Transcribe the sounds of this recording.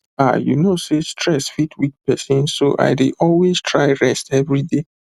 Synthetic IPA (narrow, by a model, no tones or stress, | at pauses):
a̰junosestʰɹɛsfitʰwit̚pɛsɔ̃nsoʔa̰ɪdeʔɔlweztʰɹaɪɹɛstɛvɹide